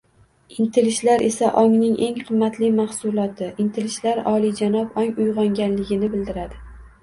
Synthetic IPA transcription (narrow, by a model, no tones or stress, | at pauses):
ɪnt̪ʰɪlɪʃlaɾʔe̞saʔɒŋnɪŋe̞ŋqʰɨmːat̪lɪmahsʊlˠɒt̪ʰɪʔɪnt̪ʰɪlɪʃlaɾɒlid͡ʒanɒpɒŋʊjʁɒŋɡʲanlɪɡʲɪnɪbɪld̪ɪɾad̪ɪ